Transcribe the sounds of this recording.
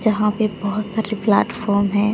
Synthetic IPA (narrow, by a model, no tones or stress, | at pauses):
d͡ʒɐɦãpebɐɦʊt̪saːɾepla̰ːʈfɔːɾmɦɛ̃ː